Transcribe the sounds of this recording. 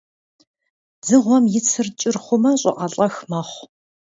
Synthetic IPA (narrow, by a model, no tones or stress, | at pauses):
d͡zɨʁʷɔmjɪt͡sʰɨrt͡ʃʼɪrχʷʊmɐɕʼɪ̰ʔɐɬʼɐxmɐχʷ